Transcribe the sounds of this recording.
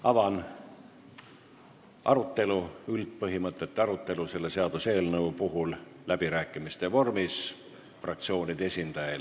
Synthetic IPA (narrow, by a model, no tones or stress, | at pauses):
ɑvɑn | ʔɑ̰ɾut̪ːˑe̞luylt̪̚pɤɦimɤt̪ˑːe̞t̪ːeɑɾut̪ːˑe̞luse̞lːe̞seɑd̪̥use̞ːlnɤupuɦulːæb̥iɾæːkːˑimist̪e̞vo̞rmis | frɑk̚t̪sio̞ːnid̪̥ee̞sʲind̪̥ɑjel